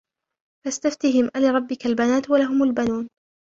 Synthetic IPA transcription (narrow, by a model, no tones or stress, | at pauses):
fast̪aft̪iɦɪmʔalaːɾˤɑbːɪkalbanaːt̪walaɦʊmalbanuːn